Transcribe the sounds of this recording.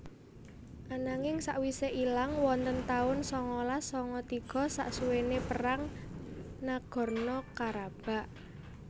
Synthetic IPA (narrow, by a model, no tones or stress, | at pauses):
ʔanaŋɪŋsaʔwiseʔilaŋwɔnt̪ənt̪aʊnsɔŋɔlasɔŋɔt̪iɡ̥ɔ̤sa̰ʔsuwenepəraŋ | naɡ̥ɔ̤rnɔkaɾab̥a̤ʔ